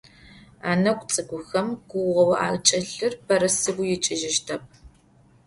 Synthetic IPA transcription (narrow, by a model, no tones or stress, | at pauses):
aːnɐkʷʼt͡sʼɨɡʷʊxɐmɡ̥ʷʊwʁɐwɐʔa̰ːlt͡ʃʼɐɬɨrbʰɐrɐsɨɡʷʊjɪt͡ʃʼɪʒɪʃtʰɐp̚